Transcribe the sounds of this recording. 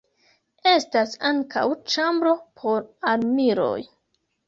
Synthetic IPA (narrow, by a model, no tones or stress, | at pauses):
e̞stasaŋkʰa̰wt͡ʃambɾo̞pʰo̞ɾaɾmiɾo̞̰j